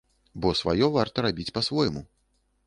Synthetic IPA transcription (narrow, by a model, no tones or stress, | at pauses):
bɔsvajɔvart̪ɐɾabʲit͡sʲpɐsvɔjmu